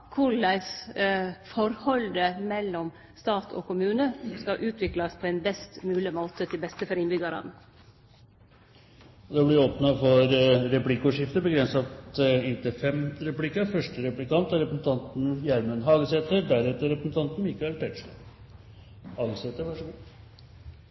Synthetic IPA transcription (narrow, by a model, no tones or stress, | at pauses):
kʰʊɭæɪs | fɔɾhɔld̪əmɛlːɔm | st̪ɑːt̪ʰɔ̰kʊmʉːnəskɑʔʉːt̪ʰʋɪklɑspʰɔɛnbɛst̪mʉːlɪmoːt̪ət̪ʰɪlbɛst̪əfɔɾɪnbʏɡɑɾɑ̰nə | d̪ɛblɪoːpnɑfɔɾɾɛplɪkːʊʂɪft̪əbəɡɾɛnsɑt̪ɪnt̪əfɛmɾɛplɪkːɑfœʂʈəɾɛplɪkɑnt̪æɾɛpɾəsn̩t̪ʰɑnt̪n̩jæɾmənɦɑːɡəsɛt̪əɖæɾɛt̪əɾɛpɾəsn̩t̪ʰɑnt̪n̩mɪkɑɛlt̪ʰɛʂlə | hɑːɡəset̪əɾʋɑʂɔɡu